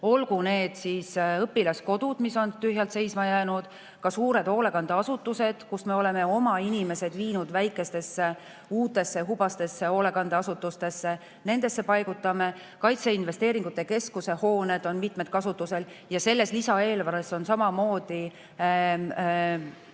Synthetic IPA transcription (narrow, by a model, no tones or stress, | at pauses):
o̞lɡune̞ːd̪̥siːsɤpːilɑsko̞d̪̥ud̪̥miso̞nt̪yhjɑlt̪se̞jsmɑjæːnud̪̥ | kɑsuːɾe̞d̪̥o̞ːle̞kɑnd̪eɑsut̪ːˑuse̞d̪̥kusme̞o̞le̞me̞o̞mɑinimese̞d̪viːnud̪væjkːˑe̞st̪e̞sːe | uːt̪ːˑe̞sːeɦub̥ɑst̪e̞sːe̞o̞ːle̞kɑnd̪eɑsut̪ːˑust̪e̞sːe̞ | ne̞nd̪̥e̞sːe̞pɑjɡ̥ut̪ːˑɑme̞ | kɑjt̪se̞inve̞st̪e̞ːɾiŋɡut̪ːˑe̞ke̞skuse̞ho̞ːne̞d̪̥o̞nmit̪ˑmed̪̥̚kɑsut̪ːˑuse̞l | jɑse̞lːe̞slisɑe̞ːlvæɾeso̞nsɑmɑmo̞ːd̪̥i